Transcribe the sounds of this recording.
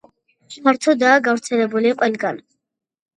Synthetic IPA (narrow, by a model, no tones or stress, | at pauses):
ʃaɾt̪ʰɔd̪aːɡavɾt̪sʰɛlɛbuliqʼwɛlɡan